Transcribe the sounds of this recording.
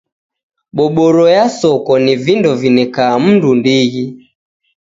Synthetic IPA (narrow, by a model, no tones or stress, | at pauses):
ɓɔɓɔɾɔjasɔkɔnivindɔvinɛkaːm̩ndundiɣi